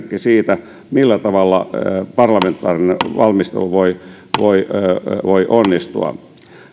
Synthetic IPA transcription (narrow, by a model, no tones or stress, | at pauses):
kːisiːt̪æ | milːæt̪ɑʋɑlːɑ̰pɑrlɑment̪ːˑɑ̰ːrineʋɑlmist̪ḛluʋoi | ʋoiʋoiʔonːist̪ṵɑ̰